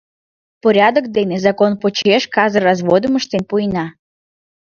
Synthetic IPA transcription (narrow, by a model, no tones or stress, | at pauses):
poɾʲɑd̪okd̪enezɑkonpot͡ɕeʃkɑzərɑzvod̪əməʃt̪enpujnɑ